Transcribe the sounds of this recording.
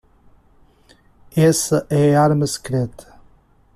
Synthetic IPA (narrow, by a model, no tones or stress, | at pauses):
esɐʔɛaɾmɐskɾet̪ʰ